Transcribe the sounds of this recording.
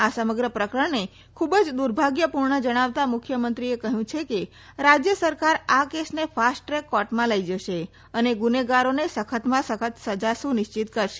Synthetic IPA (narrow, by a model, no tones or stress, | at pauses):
asəməɡɾəpɾəkɾəɳne | kʰubəd͡ʒd̪uɾbʱaɡjəpuɾɳəd͡ʒəɽ̃aʋt̪amʊkʰjəmənt̪ɾiekəɦjũt͡ʃʰeke | ɾad͡ʒjəsəɾkaɾakesnefʰasʈɾekːɔʈmãləid͡ʒəʃe | əneɡuneɡaɾonesəkʰət̪mãsəkʰət̪səd͡ʒasũnɪʃt͡ʃit̪kəɾʃe̥